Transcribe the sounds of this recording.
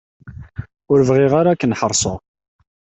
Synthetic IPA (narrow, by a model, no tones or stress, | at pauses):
ʊɾəvʁiʁaɾakːənħəɾˤsˤo